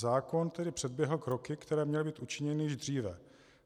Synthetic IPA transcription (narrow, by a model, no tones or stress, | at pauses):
zaːko̞nt̪ɛdɪpr̝̥ɛd̪bjɛɦl̩kɾo̞kɪkt̪ɛɾɛːmɲɛlɪbiːt̪ʔut͡ʃɪɲɛnɪjɛʒd̪r̝iːvɛ